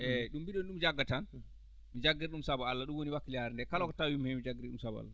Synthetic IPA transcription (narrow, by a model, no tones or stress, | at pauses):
ʔɛɗumbiɗɔnɗumd͡ʒaɡːatan | mid͡ʒaɡːiɾɗumsabaalːaɗumwoniwakːiljaɾɛndɛkalɔkɔtawimhɛmid͡ʒaɡiɾɗumsabaa̰lːa